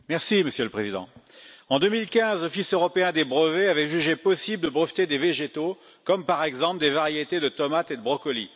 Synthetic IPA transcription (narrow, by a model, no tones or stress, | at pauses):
mɛʁsiməsjøləpχezid̪ɑ̰̃ɑ̃d̪ømilkʲɛ̃zlɔfisøʁɔpeɛ̃d̪ebʁəveavɛʒyʒepɔsibld̪əbʁəft̪ed̪eveʒet̪o | kɔmpaʁɛɡzɑ̃pld̪evaʁjet̪ed̪ət̪ɔmat̪ed̪əbʁɔkɔli